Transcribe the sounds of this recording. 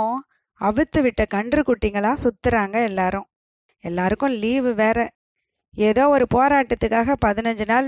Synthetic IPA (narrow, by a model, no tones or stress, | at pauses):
ɐʋɯt̪ːɯʋɪʈːɐkɐɳɖrɯkːʊʈːiːŋɡɐɭãːsʊt̪ːɯɾaːŋɡɐɛlːaːɾɯ̃ | ɛlːaːɾɯkːʊ̃liːʋɯʋeːɾɐ | eːðoːɔɾɯpoːɾaːʈːɐt̪ːɯkːaːɣɐpɐðɪnɐɲd͡ʒɯnaːl